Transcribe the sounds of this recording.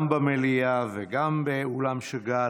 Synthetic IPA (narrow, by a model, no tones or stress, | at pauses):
mbamelijaveɡambeulamʃeɡa